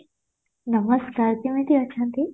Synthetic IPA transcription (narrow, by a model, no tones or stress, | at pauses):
nəməskaːɾt̪imẽt̪iɐtːʃʰãnt̪i